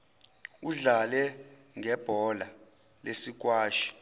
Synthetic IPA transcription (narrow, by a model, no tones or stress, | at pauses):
uɮalɛ | ŋʱɛb̥ʱɔla | lesik̬ʼwaːʃi̥